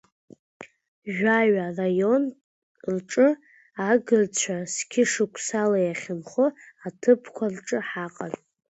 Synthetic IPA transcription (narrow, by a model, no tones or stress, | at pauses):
ʒᶣaɥarajo̞n | rʈ͡ʂʼɨ | aɡɨrt͡ɕʷʰaskʲʰɪʂɨkʷʰsalajaχʲɪmχʊatʰɨpʰkʷʰarʈ͡ʂʼɨħaqʼa̰r